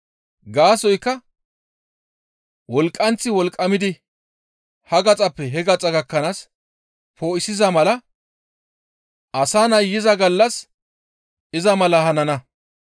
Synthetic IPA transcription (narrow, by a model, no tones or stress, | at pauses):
ɡaːsɔjkːɐ | wɔlkʼːɐnt͡sːɪwɔlkʼːɐmɪd̪ɪ | hɐɡɐt͡sʼɐpːɛɦɛɡɐt͡sʼɐɡɐkːɐnaːs | pʰo̞ːʔɪsɪzɐmɐlɐ | ʔɐsaːnɐjjːɪzɐɡɐlːɐs | ɪzɐmɐlɐhɐnɐnɐ